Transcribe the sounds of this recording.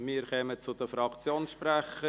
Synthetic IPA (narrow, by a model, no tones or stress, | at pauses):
miːɾkɛmət͡sʊd̪əfɾɑkt͡sjoːnsʃpɾæχə